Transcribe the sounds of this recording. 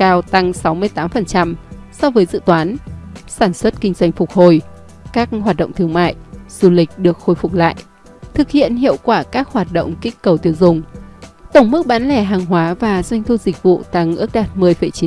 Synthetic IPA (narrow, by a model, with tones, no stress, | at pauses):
kaː˧wt̪a˧ŋsa˨˦wmɨ˧əjt̪aː˨˦mfə˨˩nt͡ɕa˧msɔ˧vəː˨˦jzɨ̰˧˨t̪waː˨˦nsaː˧˩nswə˦˥t̚kï˧ŋ̟zwa˧jŋ̟fʊ˨˩k̚ho˨˩j | kaː˦˥k̚hwaː˨˩t̚ɗə̰˧˨ŋ͡mt̪ɨ˨˧əŋma̰ː˧˨jz̥u˧lï˨˩k̟̚ɗɨ˨˩ək̚xo˧˩jfʊ˨˩k͡p̚la̰ː˧˨j | t̪ʰɨ˨˩k̚hḭ˧˨ənhḭ˧˨əwkwaː˧˩kaː˦˥k̚hwaː˨˩t̚ɗo̰˧˨wŋ͡mkï˦˥k̟kə˨˩wt̪i˧˩əwzʊ˨˩ŋ͡mt̪ə˧˩wŋ͡mmɨ˦˥k̚ɓaː˨˦nlɛ˧˩ɦaː˨˩ŋɦwaː˨˦vaː˨˩zwa˧jŋ̟t̪ʰu˧zi˨˩k̟̚vṵ˧˨t̪a˧ŋʔɨ˦˥ək̚ɗaː˨˩t̚mɨ˨˩əjfə˧˩jt͡ɕi˨˦